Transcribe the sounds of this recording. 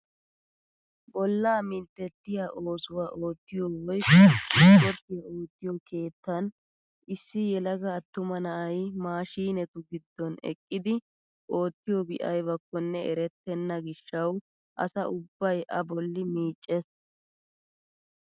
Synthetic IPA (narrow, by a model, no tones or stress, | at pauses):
bɔlːaːmɪnt̪ːɛt̪ːɪjaʔo̞ːsʊwaːʔoːt̪ːɪjɔwɔj | kɔt̪ːɪjɐoːt̪ːɪjɔkʰe̞ːt̪ːɐn | ɪsːɪjɛlɐɡɐːt̪ːʊmɐnɐʔɐjmaːʃiːnɛt̪ʊɡɪd̪ːɔnɛ̰kʼːɪd̪ɪ | ʔo̞ːt̪ːɪjɔbɪʔɐjbɐkːɔnːɛɛɾɛt̪ːɛnːɐɡɪʃːɐw | ʔɐ̰sɐʔʊbːɐjʔɐbɔlːɪmiːt͡ʃʼːɛs